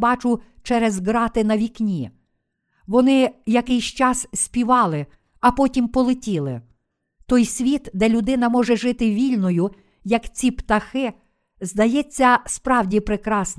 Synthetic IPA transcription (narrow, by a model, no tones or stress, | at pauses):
bɑt͡ʃʊt͡ʃɛɾɛzɡɾɑt̪ɪnɐʋʲiknʲi | ʋɔnɪjɐkɪjsʲt͡ʃɑssʲpʲiʋɑlˠɪ | ɐpɔtʲimpɔlˠɪtʲilˠɪ̰ | t̪ɔjsʲʋʲit̪d̪ɛlʲʊd̪ɪn̪ɐmɔʒɛʒɪt̪ɪʋʲilʲnɔjʊ | jɐkt͡sʲipt̪ɐxɪ | zd̪ɐjɛt͡sʲːɐspɾɑwdʲipɾɪkɾɑsn